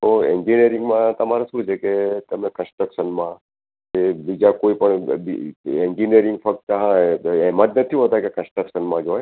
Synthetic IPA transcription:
t̪oeɲd͡ʒinieɾɪŋɡmãt̪əmaɾasũt͡ʃʰeket̪əmnekə̃nsʈɾəkʃənmã | ebid͡ʒakoipəɳbiẽɲd͡ʒinieɾɪ̃ŋɡfək̚t̪əɦãɛmat̪nət̪ʰiʋɦət̪akekə̃nsʈɾəkʃənmãd͡ʒoj

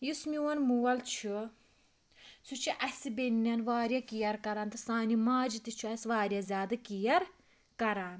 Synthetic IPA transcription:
jismiwɐnmuwɐlt͡ʃʰu | sut͡ʃʰiʔɐsibenːɐnʋaːɾʲjɐkijɐɾkɐɾaːnt̪ʰɐsaːnimaːd͡ʒit̪it͡ʃʰuɐsʋaːɾʲijɐzʲaːd̪ɐkijɐɾ | kɐɾaːn

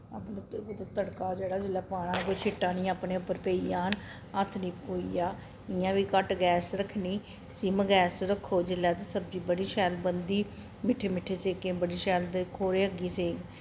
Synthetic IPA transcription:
a̰ːpnt̪at̪əɽkaːd͡ʒeːɽaːd͡ʒɪlaːpaːɽ̃ãːk̬oit͡ʃʰɪʈːãːnĩːaːpneːʊpːəɾpeːiːjaːn | ət̪ʰnĩːoːḭːjaː | ɪjãːʋiːkəʈɡɛːsɾəkʰːniː | siːməɡɛːsɾəkʰːoːd͡ʒɪlːɛːt̪̬esəb̚d͡ʒiːbəɽiːʃɛːlbənd̪iː | mɪʈʰːeːmɪʈʰːeːseːkeːbəɽiːʃɛːld̪ekʰoːɾeːəɡiːseːŋɡ

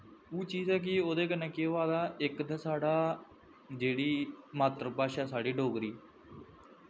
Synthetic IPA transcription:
uːt͡ʃiːzɛːk̬ɪoːd̪eːk̬ənɛ̃ːkeʋaːd̪aːɪkd̪ẽːsaːɽaː | d͡ʒeːɽiːmaːt̪ɾəpaːʃaːsaːɖiːɖoːɡɾiː

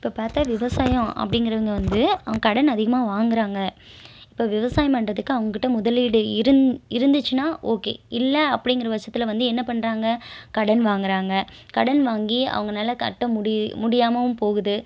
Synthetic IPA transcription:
ɪpːoːpaːɾt̪aːʋɪʋɐsaːjɐ̃ɐ̰pːɐɽɪŋɡɪɾɐʋɐŋɡɐʋɐnd̪ɯɐɐŋɡɐkɐɽɐnɐðɪɣɐmaːʋaːŋɡɪɾaːŋɡɐ | ɪpːoːʋɪʋɐsaːjɐpɐɳɾɐðɯkːɯɐʋɐŋɡɐkːɪʈːɐmʊðɐlʋiːɽɯɪɾɯɪɾɯnd̪ɯt͡ʃːɯnaːʔoːkḛːɪlːɐːpːɐɽɪŋɡɪɾɐʋɐʂɐt̪ːɪlɐʋɐnd̪ɯɛnːɐpɐɳːɾaːŋɡɐkɐɽɐnʋaːŋɡɪɾaːŋɡɐkɐɽɐnʋaːŋɡiɐ̰ʋɐŋɡɐnaːlɐkɐ̰ʈːɐ̃mʊɽɪmʊɽɪjaːmɐʋɯmpoːɣɯðɯ

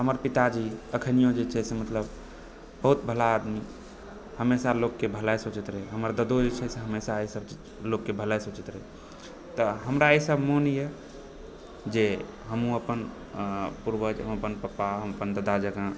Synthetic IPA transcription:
ɦəməɾpit̪ad͡ʒiəkʰənijõd͡ʒet͡ʃʰɛsemət̪ləb | bəɦut̪̚bʱəlaːd̪mi | həmesalokːebʱəlajsot͡ʃət̪ɾɛɦəməɾd̪əd̪od͡ʒet͡ʃʰɛseɦəmesaesəb̚t͡ʃid͡ʒ | lokːebʱəlajsot͡ʃit̪ɾɛ | t̪əɦəmɾaesəbʱmonije | d͡ʒe | ɦəmũəpən | puɾʋəd͡ʒɦəməpənpəpaɦəməpənd̪əd̪ad͡ʒəɡã

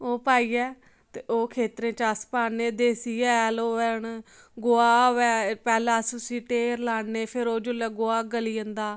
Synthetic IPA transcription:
oːpaːiːɛː | t̪eoːkʰeːt̪ɾẽːt͡ʃaspaːneːd̪eːsiːɛːloːɛːɳ | ɡoːaːʋɛːpɛːlãːsʊsĩːʈeːɾlaːneːpʰɪɾoːd͡ʒʊlɛːɡoːaːɡəliːə̃nd̪aː

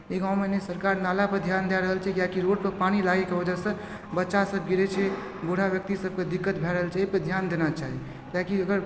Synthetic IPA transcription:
iɡãw̃menesəɾkaɾnalapəd̪ʱjand̪aɾəɦəlt͡ʃʰɛkjakiɾoɖpəpanilaɡekebəd͡ʒəsə̃ | bətːʃasəb̚ʱɡiɾɛt͡ʃʰɛ | boɽ̤abjək̚t̪isəb̚ked̪ikːət̪bʱɛɾəɦəlt͡ʃaɦipəd̪ʱjand̪enat͡ʃaɦi | kjakiəɡəɾ

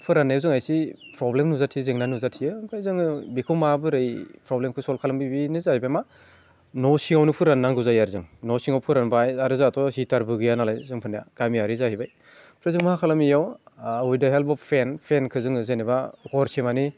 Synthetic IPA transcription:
pʰɯɾanːajzɯŋajsipɾɔblemnuzatʰijɯzeŋnanuzatʰijɯpʰɾajzɯŋɯbikʰɔmabɯɾɯjpɾɔblemkʰɯsɔlkʰalɯmbibinɯzaibajma | nɔsiŋawnɯpʰɯɾanːaŋɡɯzajaɾzɯŋnɔsiŋawpʰɯɾanbajaɾɯzatʰɔhitaɾbɯɡɯjanalajzɯŋpʰɯnaja̰ɡ̥amiaɾizahibaj | pʰɾajzɯŋmahakʰalɯmijawujdaɦelpɔpʰenpʰenkʰɯzɯŋɯzenebaɡɔɾsemani

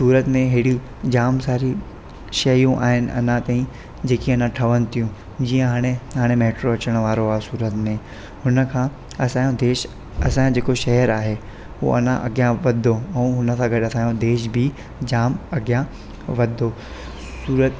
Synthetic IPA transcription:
suːɾət̪mẽɦeːɽi | d͡ʑaːmsaːɾi | ʃɐjũʔa̰ːɦɪnɪ̆ʔɐ̰nãt̪aːĩ | d͡ʑeːkiɐnãʈʰɐʋəñɪ̆t̪ʰijũ | d͡ʑiːə̃ɦaːɽ̃eɦaːɽ̃emeːʈɾoɐt͡ɕəɽ̃ʋaːɾoaːɦesuːɾət̪mẽ | hʊnə̆kʰãː | ɐsãːjõd̪eːʃ | ɐsããd͡ʑeːkoʃɐɦəɾaːɦe | ɦṵɐ̰n̤ã̰ʔɐɡjãʋɐd̪ʱoɛ̃ːɦʊnə̆sãɡɐɗɐt̪ʰãːjõd̪eːʃbʱɪ | d͡ʑaːmɐɡjã | ʋɐd̪ʱo | suːɾət̪

